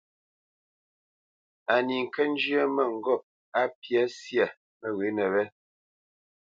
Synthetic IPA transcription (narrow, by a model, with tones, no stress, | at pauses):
a˨ni˨ŋ̩˨kɛ˦n̩˦d͡ʒjə˦mɛ˦˨ŋ̩˨ɡɔ˦˨p̚ | a˦pja˦sja˨ | mɛ˦˨ɣe˨˦nɛ˨βɛ˦